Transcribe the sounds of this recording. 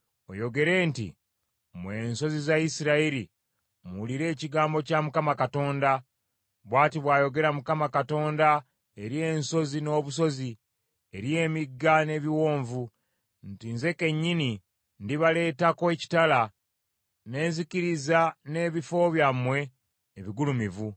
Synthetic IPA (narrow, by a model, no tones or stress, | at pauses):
o̰jo̞ɡe̞ɾe̞ːntḭ | mwe̞nso̞zizaisiɾaiɾḭ | muliɾe̞ːciɡaːmbo̞camukamakato̞ːnda | βwaːtiβwaːjo̞ɡe̞ɾamukamakato̞ːnda | eɾije̞ːnso̞zino̞ːβus̬o̞zi | eɾje̞ːmiɡːane̞βiwo̞ːɱvu | ntinze̞ke̞ɲːini | ndiβale̞ːtakoeci̥tala | ne̞ːnziciɾizane̞βifo̞βjamwe̞ | eβiɡulumivu